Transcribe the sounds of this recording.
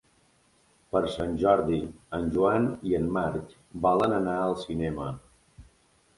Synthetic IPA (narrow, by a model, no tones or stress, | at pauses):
pəɾsanʲʒɔɾðiənʲʒuaniənːaɾk | balənənaəlˠsinɛmə